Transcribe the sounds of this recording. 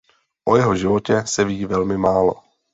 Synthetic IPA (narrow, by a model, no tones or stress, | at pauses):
ʔojɛɦo̞ʒɪvo̞cɛsɛviːvɛlmɪmaːlo̞̰